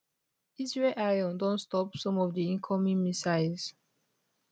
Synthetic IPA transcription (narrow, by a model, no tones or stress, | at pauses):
izɹelʔalɔ̃ndɔ̃nstɔpsɔ̃mɔvdiĩnkʰɔmĩnmisaɪz̥